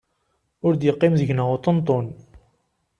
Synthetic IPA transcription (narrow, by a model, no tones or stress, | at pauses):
ʊɾd̪jəqːimðəʝnəʁut̪ˤənt̪ˤon